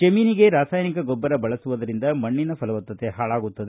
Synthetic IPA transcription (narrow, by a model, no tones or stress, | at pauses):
d͡ʒɐmiːniɡe̞ɾaːsaːjnikɐɡɔbːɐɾɐbɐɭɐsuʋɐd̪ɐɾind̪ɐmɐɳːinɐpɐlɐʋɐt̪ːɐt̪eɦaːɭaːɡut̪ːɐd̪e